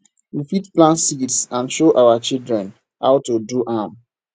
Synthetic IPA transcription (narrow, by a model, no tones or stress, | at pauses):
wifitplãntsitsãnʃoʔaʊwat͡ʃildɹɛ̃n | ha̰wtuduʔãm